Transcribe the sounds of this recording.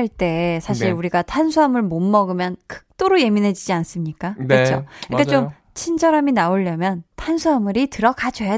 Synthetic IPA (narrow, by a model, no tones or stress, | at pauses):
aɭt͈e̞sʰaɕʰiɾuɾiɡatʰansʰuɦamɯɭmonmʌɡɯmjʌnkʰɯ̥k̚t͈oɾoje̞minɦe̞d͡ʑid͡ʑians͈ɯmɲik͈akɯt͡ɕʰoik͈at͡ɕom | t͡ɕʰind͡ʑʌɾaminaoʎːʌmjʌntʰansʰuɦamɯɾitɯɾʌkʰad͡ʑʌja